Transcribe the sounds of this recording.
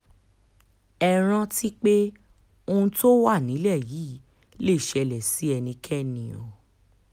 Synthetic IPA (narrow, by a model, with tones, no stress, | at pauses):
ɛ˧ɾ̃ã˦ti˦k͡pe˦ | o˧ũ˧˦to˦wa˦˨nĩ˨˦lɛ˦˨jiː˨˦ | le˦˨ʃɛ˧lɛ˨si˨˦ɛ˧nĩ˧kʰɛ˦nĩ˨˦o̰˨